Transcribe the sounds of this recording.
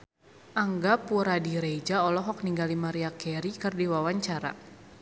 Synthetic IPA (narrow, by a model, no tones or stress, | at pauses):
ʔaŋɡapuɾadiɾed͡ʒaɔlɔɦɔk̚niŋɡalimaɾiakɛɾikɨrdiwawaɲt͡ʃaɾa̰